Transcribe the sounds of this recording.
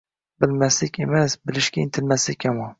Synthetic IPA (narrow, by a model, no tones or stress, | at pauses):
bɪlmæslɪkʲemɛsbɪlɪʃkʲɛint̪ʰɪlmæslɪkʲːɛmɑ